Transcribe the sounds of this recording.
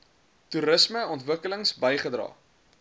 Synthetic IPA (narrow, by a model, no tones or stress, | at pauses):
tuɾəsməɔntvəkələŋsbəjχədrɑ̰ː